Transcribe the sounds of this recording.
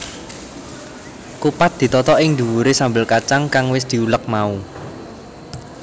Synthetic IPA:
kupat̪̚d̪̥i̤t̪ɔt̪ɔʔɪŋd̪ṳwuɾesambəlkat͡ʃaŋkaŋwɪsd̪̥i̤ulək̚mau

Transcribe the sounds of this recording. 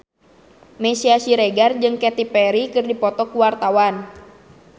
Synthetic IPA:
mɛsiasiɾɛɡard͡ʒɨŋkɛt̪ipɛɾikɨrdipɔt̪ɔkuwart̪awan

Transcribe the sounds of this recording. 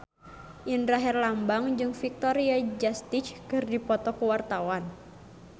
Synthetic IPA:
ʔindɾaɦɛrlambaŋd͡ʒɨŋfik̚t̪ɔɾiad͡ʒast̪it͡ʃkɨrdipɔt̪ɔkuwart̪awan

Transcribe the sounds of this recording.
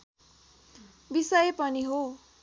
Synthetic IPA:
bisʌjepʌniɦo

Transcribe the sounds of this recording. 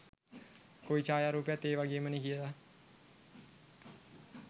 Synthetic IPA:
koit͡ʃaːjaɾuːpejat̪ːeːʋaɡeːmənikiəla

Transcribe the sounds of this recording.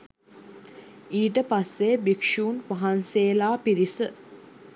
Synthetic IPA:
iːʈəpasːebikʂuːnʋaɦanseːlaːpiɾisə

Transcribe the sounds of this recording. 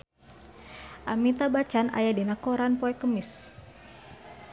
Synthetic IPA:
ʔamit̪abat͡ʃana̰jadinakoɾanpɔɛkəmɪs

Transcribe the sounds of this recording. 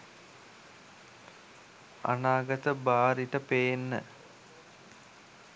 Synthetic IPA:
a̰naːɡət̪əbaːɾiʈəpejnːə̰

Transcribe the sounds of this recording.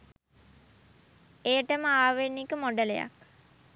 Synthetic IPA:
eːəʈəməaːʋenːikəmoɖəleja̰k̚

